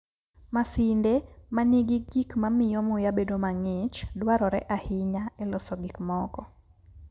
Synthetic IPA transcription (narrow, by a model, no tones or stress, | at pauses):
masɪndemaniɡɪɡikmamɪjɔmʊjabedomaŋɪt͡ʃdwaɾɔɾɛʔahɪɲaɛlɔsɔɡikmɔkɔ